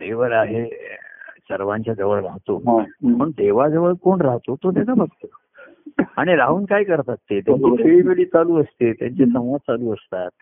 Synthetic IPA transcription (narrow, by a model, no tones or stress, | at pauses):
d̪eʋəɭaɦe | səɾʋãɲt͡ɕjad͡zəʋəɭɾaɦt̪opəɳd̪eʋad͡zəʋəɭkoɳɾaɦt̪ot̪ot̪ed͡zabəɡt̪o | aɽ̃iɾaɦuːnkajkəɾt̪at̪ːet̪jifʰeɭiːmeɭiːt͡saluːəst̪et̪ja̰ɲt͡ɕesəmʋət͡saluːəst̪a̰t̪̚